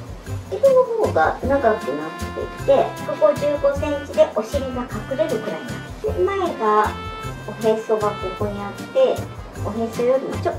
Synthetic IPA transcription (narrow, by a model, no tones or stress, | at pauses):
et̪oboɡanaɡakɯ̟nat̪ːe̞̰it̪e̞soko̞d͡ʑɨːɡo̞sẽ̞ɲ̟t͡ɕid̪e̞ʔo̞ɕiɾʲimokakɯ̟ɾe̞ɾɯ̟kɯ̟ɾaiɲiat̪t̪ːemae̞ɡa | oɦe̞so̞bakːokoɲiat̪ːe̞ | oɦẽsojoɾʲimot͡ɕo